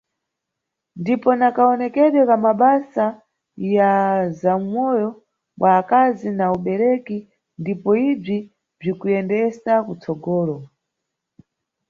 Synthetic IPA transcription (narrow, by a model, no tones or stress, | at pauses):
ndipɔnakaɔnɛkɛɗjɔkamaɓasa | jazam̩mɔjɔ | ɓwʔaːkazinauɓɛɾɛki | ndipɔib͡ʐi | b͡ʐikujɛndɛsakut͡sɔɡɔːɾɔ